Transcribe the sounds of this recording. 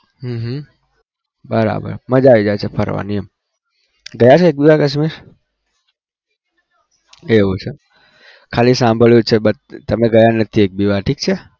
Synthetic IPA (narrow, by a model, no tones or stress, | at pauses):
ɦəɦ | bəɾa̰bə̰ɾməd͡ʒaʋid͡ʒajt͡ʃʰepʰəɾʋa̰nijəm | ɡəjat͡ʃʰeek̚biʋakəʃ̬miɾ | eʋũt͡ʃʰe | kʰalisãmbʱəɭjut͡ʃʰebət̪t̪əmeɡəjanət̪ʰiek̚biʋaʈʰik̚t͡ʃʰe